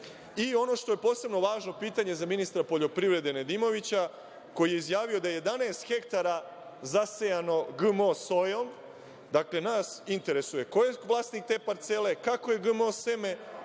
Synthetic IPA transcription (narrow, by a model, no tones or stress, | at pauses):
io̞no̞ʃt̪o̞je̞po̞ːse̞bno̞ʋaːʒno̞piːt̪aɲe̞zaminist̪ɾapo̞ʎo̞pɾiʋɾe̞d̪e̞ned̪imo̞ʋit͡ɕa | ko̞jijeizjaːʋio̞d̪ajeje̞d̪aneːst̪xe̞kt̪aɾa | zasejano̞ɡɨmoso̞jo̞m | d̪akle̞naːsint̪e̞ɾe̞suje̞kojeʋlˠaːst̪nik̚t̪e̞ːpaɾt̪se̞le̞kako̞je̞ɡɨmoseme̞